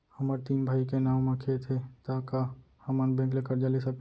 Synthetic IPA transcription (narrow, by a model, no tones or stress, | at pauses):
hɐmaɾt̪iːmbʱaːikenãːmãkʰet̪ʰet̪aːka | hɐmənbɛ̃ːŋklekəɾd͡ʒaːlisə